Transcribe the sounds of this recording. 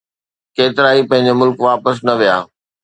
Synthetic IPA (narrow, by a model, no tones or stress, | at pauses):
keːt̪ɪɾaːipɐ̃ɦɪ̃ɲ̆d͡ʑemʊlkʋaːpəs̬nɐʋijaː